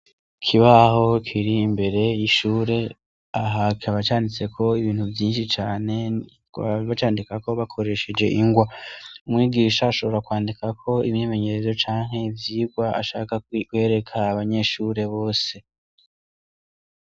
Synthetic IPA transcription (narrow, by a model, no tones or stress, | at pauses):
kʰiβaho̞kʰiɾiːmbe̞ɾe̞iʃuːɾe̞ | aɦakiaβat͡ʃaːndit͡se̞kʰo̞iβiːnhuvjiːnʃit͡ʃaːne̞ | βat͡ʃaːndikako̞βakʰo̞ɾe̞ʃed͡ʒe̞̰ʔiŋɡwaumŋiːɡiːʃaːʃo̞βo̞ɾakwaːndikakʰo̞imɲime̞ɲe̞ɾe̞zo̞t͡ʃaːŋ̥he̞vjiːɡwaa̰ʃa̰ːkakwe̞ːɾe̞kʰaːβaɲe̞ʃuːɾe̞βo̞ːse̞